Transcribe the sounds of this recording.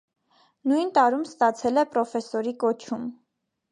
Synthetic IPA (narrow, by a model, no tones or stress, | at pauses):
nujnt̪ɑɾumst̪ɑt͡sʰɛlɛpɾɔfɛsɔɾikɔt͡ʃʰum